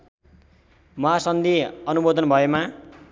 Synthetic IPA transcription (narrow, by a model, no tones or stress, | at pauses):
mʌɦasʌnd̪iʌnubod̪ʱʌnbʱʌema